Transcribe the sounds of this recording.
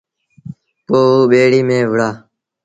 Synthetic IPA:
poːɓeːɽiːmẽːʋəɽaː

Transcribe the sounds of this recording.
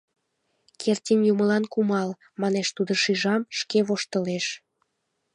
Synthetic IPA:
kʰertʲinjuməlɑnkumɑl | mɑneʃt̪ud̪əʃiʒɑmʃkeβoʃt̪ə̆leʃ

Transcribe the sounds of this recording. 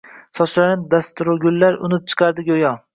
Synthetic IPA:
sɒʃlaɾnɪd̪ast̪ʊɾʊɡʲʊlːaɾʊ̰nɪp̚t͡ʃʰɨ̥qʰɑɾd̪ɪɡʲojɒ

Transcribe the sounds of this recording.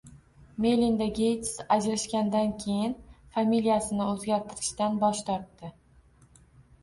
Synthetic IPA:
melind̪aɡʲejt̪sad͡ʒɾaʃkʲand̪ankʲʰe̞jɪnfamilijasɪnɪɵzɡʲaɾt̪ʰɪɾɪʃt̪anbɒʃt̪ʰɒɾt̪ːɪ

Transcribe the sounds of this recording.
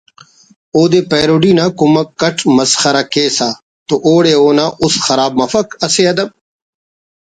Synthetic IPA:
oːd̪eːpeːɾoːɖiːnaːkʊmɐkːɐʈʰmɐsxɐɾakeːsaː | t̪oʔoːɽeːoːnãːʔʊsxɐɾaːb̚mɐfɐkɐseːɐd̪ɐb

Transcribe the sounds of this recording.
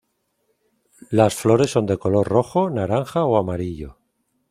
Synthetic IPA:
lasflo̞ɾe̞sːo̞nd̪eko̞lo̞rro̞xo̞naɾaŋxaoamaɾiʎo̞̰

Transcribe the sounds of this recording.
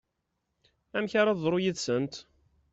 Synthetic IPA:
æmçaɾaðˤɾojiðsənt̪

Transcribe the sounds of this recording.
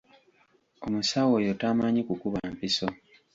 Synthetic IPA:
o̞musawo̞jotaːmaɲikukuβampiso̞

